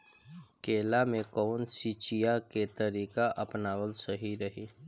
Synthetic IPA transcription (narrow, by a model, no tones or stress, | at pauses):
keːlamẽkɔːnsiːt͡ʃijaket̪əɾiːkaʔəpnaːwəlsəɦiɾəɦiː